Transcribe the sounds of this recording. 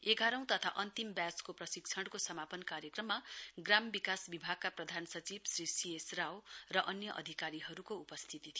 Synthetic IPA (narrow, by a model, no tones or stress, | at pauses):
eɡaɾʌ̃w̃t̪ʌt̪ʰa̰ʔʌnt̪imbjat͡skoprʌsikt͡sʰʌɽkosʌmapʌnkaɾjʌkrʌmːaɡrambikasbibʱaɡ̚kaprʌd̪ʱansʌt͡sibsrisiesrawrʌʔʌnjʌʔʌ̰d̪ʱikaɾiɦʌɾukoupʌst̪ʰit̪it̪ʰi